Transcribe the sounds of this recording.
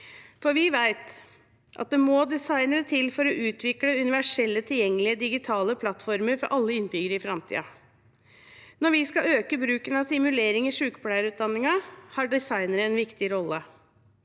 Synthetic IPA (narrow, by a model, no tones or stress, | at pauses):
fɔɾʋɪʋæɪt̪ | ʔɑ̰t̪̚d̪ɛmɔd̪ɛsɑɪnəɾət̪ʰɪlfɔɾɔʔʉːt̪ʰʋɪkləʉnɪʋæʂɛlːət̪ʰɪljɛŋːəlɪəd̪ɪɡɪt̪ʰɑːləpʰlɑt̪fɔɾməɾfɔɾʔɑlːəɪnbʏɡəɾɪfɾɑmt̪ʰḭːɑ̰ | nɔɾʋɪskɑøːkəbɾʉːkənɑsɪmʉleːɾɪŋɪʂʉːkəpʰlæɪəɾʉːt̪̚d̪ɑnːɪŋɑhɑɖɪsɑɪnəɾəɛnʋɪkt̪ɪɾɔlːə